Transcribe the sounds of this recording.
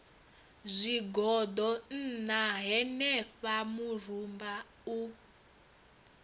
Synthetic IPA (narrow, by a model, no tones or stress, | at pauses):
zʷiɡɔdɔn̩naɦɛnɛɸamur̤umba | u